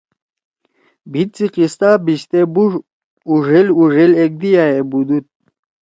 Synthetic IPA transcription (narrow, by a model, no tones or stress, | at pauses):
bʱit̪̚t͡siqist̪abiɕt̪ebuʐ | uʐeluʐelek̚d̪ijaebud̪ut̪̚